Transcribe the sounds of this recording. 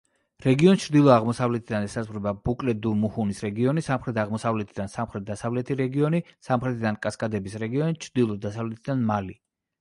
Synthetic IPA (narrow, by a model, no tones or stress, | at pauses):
ɾɛɡiɔnt͡ʃʰɾd̪ilˠɔaʁmɔsavlɛt̪ʰid̪anɛsasχɾɛbabukʼlɛd̪umuhunisɾɛɡiɔnisamχɾɛt̪ʰaʁmɔsavlɛt̪ʰid̪ansamχɾɛt̪̚d̪asavlɛt̪ʰiɾɛɡiɔnisamχɾɛt̪ʰid̪ankʼaskʼad̪ɛbisɾɛɡiɔnit͡ʃʰɾd̪ilˠɔd̪asavlɛt̪ʰid̪anmali